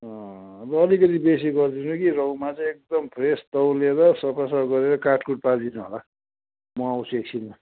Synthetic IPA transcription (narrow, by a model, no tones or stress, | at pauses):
ʌ̃rʌːlikʌt̪ibes̬iɡʌrd̪inukiɾʌwmat͡sʌ̃j̃ek̚d̪ʌmpʰrest̪ʌwleɾʌsʌpasaɡʌɾeɾʌkaʈkuʈ̚pad̪inuɦo̰la | mʌawt͡sʰueksʰilma